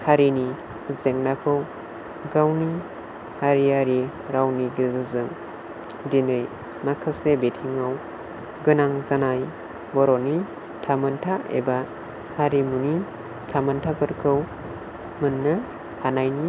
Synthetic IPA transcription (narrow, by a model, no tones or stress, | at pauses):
haɾini | zeŋnakʰɯw | ɡawni | haɾiaɾi | ɾawniɡizɯzɯŋ | dinɯj | makʰɯsebetʰiŋaw | ɡɯnaŋzanaj | bɔɾɔni | tʰamɯntʰaḛba | haɾimuni | tʰamantʰabɯɾkʰɯw | mɯnːa | hanajni